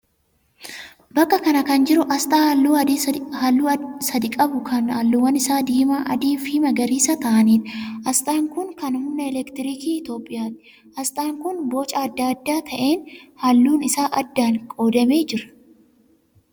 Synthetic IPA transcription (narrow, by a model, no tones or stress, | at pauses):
bɐkːɐkɐnɐkɐnd͡ʒɪɾʊʔɐst̪ʼaːlːuːɐhɐlːusɐd̪ɪkʼɐbʊkʰɐnhɐlːuwɐnɪsaːd̪iːmaːʔɐ̰d̪iːfɪmɐɡɐɾiːsɐt̪ɐʔɐniːnʔɐst̪ʼaːŋkʊŋkɐnʊmnɐɛlɛkt̪ɪɾiːkiːɪt̪o̞ːpʼːɪjaːt̪ɪ̥ | ɐst̪ʼaːŋkʊnboːt͡ʃʼɐɐd̪ːaːɐd̪ːaːt̪ʰɐʔe̞ːnhɐlːuːnɪsaːʔɐd̪ːaːŋkʼoːd̪ɐme̞ːd͡ʒɪɾɐ̥